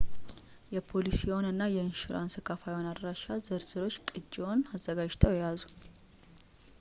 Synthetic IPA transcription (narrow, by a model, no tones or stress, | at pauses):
jɛpʰo̞lisiɛwonɨnːajɛɨnʃuɾʔa̰nsɨkʰafajonad̪ɾaʃazɨɾz̥ɨɾo̞t͡ʃːkʼɨd͡ʒonazːəɡad͡ʒt̪ʰəwjɛjazu